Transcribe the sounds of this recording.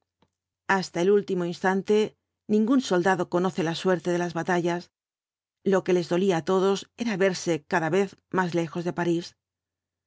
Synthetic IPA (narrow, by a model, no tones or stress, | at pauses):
ast̪aelult̪imo̞inst̪ant̪e̞ | nĩŋɡunso̞ld̪aðo̞ko̞no̞θe̞laswe̞ɾt̪eðe̞lazβat̪aʝas | lo̞ke̞le̞zðo̞liaːt̪o̞ð̞o̞se̞ɾaβe̞ɾse̞kaðaβe̞θmazle̞xo̞zðepaɾis